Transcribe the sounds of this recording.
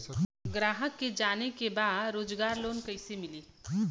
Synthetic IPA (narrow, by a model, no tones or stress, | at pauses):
ɡɾaːɦəkːed͡ʒanekebad̪ɾoːd͡ʒɡaːɾloːnkəɪsemili